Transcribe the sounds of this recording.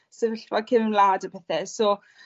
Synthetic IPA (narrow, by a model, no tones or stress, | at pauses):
sɛvɪɬwakʰɪvlˠaːdəpʰɛθɛsɔː